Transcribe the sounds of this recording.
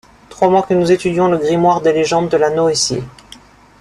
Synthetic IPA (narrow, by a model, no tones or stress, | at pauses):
t̪χwamwakənuzet̪yd̪jɔ̃ləɡʁimwaʁd̪eleʒɑ̃d̪ːəlanoesḭ